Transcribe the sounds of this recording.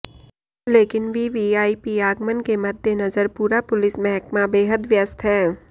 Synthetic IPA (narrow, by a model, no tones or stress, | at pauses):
leːkɪnʋiʋiaːipiaːɡmənkemɐd̪ʱːjenɐzəɾpuːɾapʊlɪsmɛɦkmabeːɦəd̪ʋjəst̪ʰɦɛː